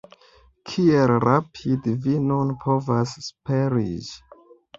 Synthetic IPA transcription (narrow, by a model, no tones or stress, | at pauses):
kʰielɾʔapʰidvinunpʰovasːpeɾḭd͡ʒ